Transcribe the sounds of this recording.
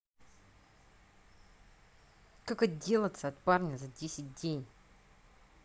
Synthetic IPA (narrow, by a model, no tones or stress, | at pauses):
kakət̪dʲe̞lˠət̪səɐt̪parnʲəzɐdʲesʲɪt̚ʲdʲenʲ